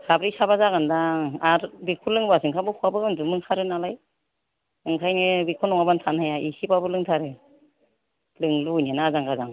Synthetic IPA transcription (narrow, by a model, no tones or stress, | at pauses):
sabɾisabazaɡandaaɾbikʰulɯŋbasɯŋkʰabɯkʰuabɯɯndumɯŋkʰaɾɯnalaj | ɯŋkʰajnɯbikʰunɔŋabantʰanhajaʔisipabɯlɯŋtʰaɾɯ | lɯŋlujnenazaŋɡazaŋ